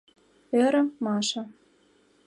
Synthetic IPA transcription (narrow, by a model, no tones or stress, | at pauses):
eɾə̆mɑʃɑ̆